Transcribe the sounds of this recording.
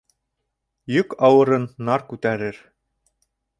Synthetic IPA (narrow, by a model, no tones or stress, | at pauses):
jɵkɑwɤ̆ɾɤnːɑɾkʉt̪æɾɘ̆ɾ